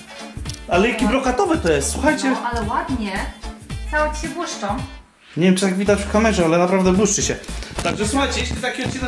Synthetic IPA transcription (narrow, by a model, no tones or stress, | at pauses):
alɛjakʲibɾɔkat̪ɔvɘt̪ɔjɛst̪swuxajt͡ɕɛalɛwad̪ɲɛt̪sawɔt͡ɕi̥ɕɛbwuʂt͡ʂɔ | ɲevjɛmt͡ʂɨ̥t̪aɡvʲid̪at͡ɕfkamɛʐɛalɛnapɾavd̪ɛbuʂt͡ɕɛɕɛd̪ɔɡʐɛswuxajt͡ɕɛjeɕʲlʲit̪akʲiɔt̪̚t͡ɕinɛ